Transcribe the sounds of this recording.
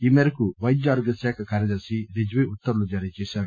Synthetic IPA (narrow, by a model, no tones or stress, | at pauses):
iːmeɾɐkuʋɐjd͡ʒaːɾʋɐsaːkʰɐkaːɾjɐd̪ɐɾsiɾid͡ʒʋiut̪ːɐɾulud͡ʒɐɾijɐt͡ʃɛːʃaːɽu